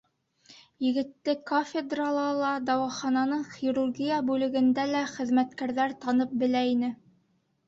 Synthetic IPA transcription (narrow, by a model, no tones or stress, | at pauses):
jɘ̆ɡɘ̆t̪ːɘkofʲed̪ralˠɑlˠɑd̪ɑwɑχɑnɑnɤɴχiɾurɡʲijabʉlɘ̆ɡɘ̆nd̪ælæχɘ̆ðmæt̪kæɾðæɾt̪ɑnɤp̚bɘ̆læinɘ